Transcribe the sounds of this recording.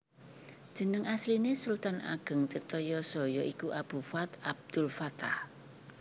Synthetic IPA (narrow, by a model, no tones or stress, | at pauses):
d̥ʒ̥ə̤nəŋaslinesult̪anʔa̰ɡ̥ə̤ŋt̪irt̪ɔjɔsɔjɔʔikuʔab̥ṳfat̪ab̚d̪̥ʊlfat̪ah